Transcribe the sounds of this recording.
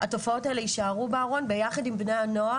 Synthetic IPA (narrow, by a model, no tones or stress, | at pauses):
hato̞fao̞taeleiʃaaʁubeaʁo̞nbe̞jaχadimbnejano̞a